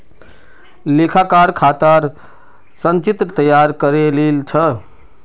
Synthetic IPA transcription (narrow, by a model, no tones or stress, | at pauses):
lekʰakaɾkʰat̪aɾ | sənt͡ʃit̪ɾət̪əjaɾkəɾelelt͡ʃʰə